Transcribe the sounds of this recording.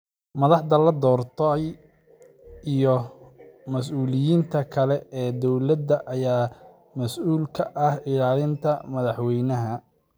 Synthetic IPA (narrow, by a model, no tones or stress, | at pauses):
mɐðɑħd̪ɐlɐd̪ɔːrt̪ʰɐj | ʔijɔ | mɐsuːlɪjiːnt̪ʰɐkʰɐlɛɛːd̪ɔwlɐd̪ɐʔɐjaː | mɐsuːlkʰɐʔɐhɪɽaːlɪnt̪ʰɐmɐðɑħwɛjnɐɦɐ